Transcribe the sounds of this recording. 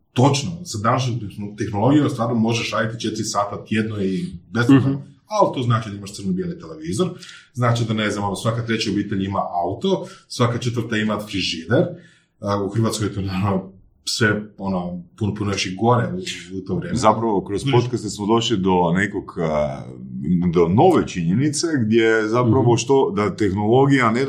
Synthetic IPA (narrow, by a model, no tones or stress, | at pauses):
t̪o̞t͡ʃnosad̪anaʃɲot̪t̪exnolˠo̞ɡijomst̪ʋaːɾnomo̞ʒeʃaːɾit̪it͡ʃe̞t̪ɾisaːt̪at̪jed̪noibespo | alit̪o̞znaːt͡ʃid̪aimaʃt̪sɾrnubjelnit̪eleʋiːzoɾznaːt͡ʃid̪ane̞znamonosʋakat̪ɾe̞t͡ɕiobiːt̪e̞ʎimaʔaut̪o̞sʋakat͡ʃet̪ʋəɾt̪aimat̪fɾiʒid̪eɾ | uxr̩ʋaːt̪skojt̪onano | sʋeonopunopunoeʃiɡoneuut̪oʋɾjeːmzapɾaʋokɾospot̪kast̪esmod̪o̞ʃlid̪o̞nekoɡ | d̪ono̞ʋet͡ʃiɲenit̪se̞ɡd̪ʲjezapɾaʋo̞ʃt̪o̞d̪at̪e̞xnolˠo̞ɡijane